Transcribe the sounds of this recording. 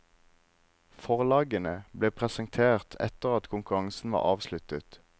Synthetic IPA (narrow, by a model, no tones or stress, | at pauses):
fɔʁlɑːɡənəbleːpʰʁɛsəŋt̪ʰeːʁt̪ʰɛ̰t̪əʁɑt̪kʰʊŋkʉʁɑŋsn̩ʋɑ̰ːʁɑːʋslʉt̪ət̪